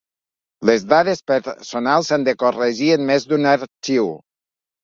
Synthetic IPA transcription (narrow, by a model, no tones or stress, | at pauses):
lezðaðespeɾsonalˠsand̪ekoreʒienmezd̪unaɾt͡ʃiw